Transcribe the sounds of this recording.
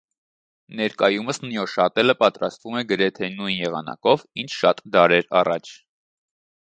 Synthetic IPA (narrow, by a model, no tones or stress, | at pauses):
nɛɾkɑjuməsnjɔʃɑt̪ɛləpɑt̪ɾɑst̪vumɛɡəɾɛt̪ʰɛnujnjɛʁɑ̰nɑ̰kɔvint͡ʃʰʃɑt̪d̪ɑɾɛɾɑrɑt͡ʃʰ